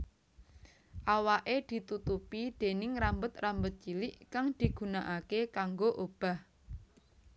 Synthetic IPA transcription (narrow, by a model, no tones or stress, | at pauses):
ʔawaʔed̪̥i̤t̪ut̪upid̪̥e̤nɪŋɾambʊt̪rambʊt̪̚t͡ʃilɪʔkaŋd̪̥i̤ɡ̥ṳnaʔakekaŋɡoʔob̥a̤h